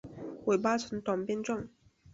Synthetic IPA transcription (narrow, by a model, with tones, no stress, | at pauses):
we˨˩paː˥t͡sʰə˨˥˦nt̪ɔ˨˩npɛ˥nt͡sɔ˥˩ŋ